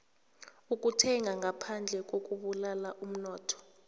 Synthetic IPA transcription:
uk̬ʼutʰɛŋaŋʱapʰand͡ɮʱɛk̬ʼok̬ʼuɓulalaʔum̩nɔːtʰɔ̥

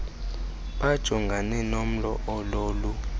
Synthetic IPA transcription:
ɓad̥ʒ̥ʱɔŋɡʱanɛnom̩lɔʔɔloːlu

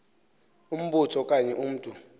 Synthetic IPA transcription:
um̩ɓutʰɔkʼaɲɛʔum̩ːtʼu

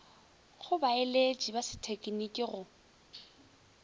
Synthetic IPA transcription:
χʊbaeled͡ʒibasɪ̥tʰekʼinikʼɪɣʊ

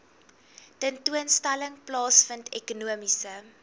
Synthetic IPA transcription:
təntuənstæləŋplɑːsfəntʰɛkunuəmisə

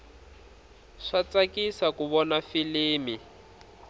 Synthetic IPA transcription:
ʂat͡sakisakuβɔnafiliːmi

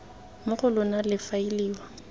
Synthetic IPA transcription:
mʊχʊlʊnalɪfailiːwa

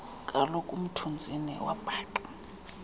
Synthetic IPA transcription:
kʼalɔkʼum̩tʰund͡zʱinḭwa̰b̥ʱaːǃɔ̥

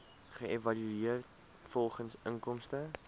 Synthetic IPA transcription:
χəevɐlyiərt | fɔlˠχənsəŋkɔmstə

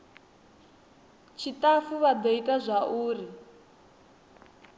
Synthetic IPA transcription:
t͡ʃʰitʼafuβad̪eitʼazʷaʔuːri

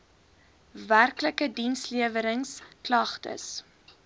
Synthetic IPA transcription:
værkləkədinsliəvəɾəŋsklɐχtə̰s

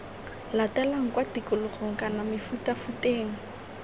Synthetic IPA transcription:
latɛlaŋ̩kwatikʊlʊχoŋ̩kanamɪfutafuteːŋ̩

